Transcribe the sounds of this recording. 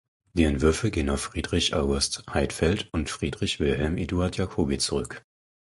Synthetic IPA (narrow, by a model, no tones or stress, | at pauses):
d̥iːɛntv̥ʏɐfəɡeːənaʊfːʁ̥iːdʁɪçʔa̰ʊɡʊsthaɪtfɛltʊntfʁ̥iːdʁɪçv̥ɪlɦɛlmʔeːduaɐtʰjakʰoːbit͡suʁʏk